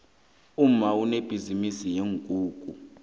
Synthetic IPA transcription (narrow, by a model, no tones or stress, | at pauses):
um̩mauneb̥ʱizimisijeŋkʼuːkʼṵ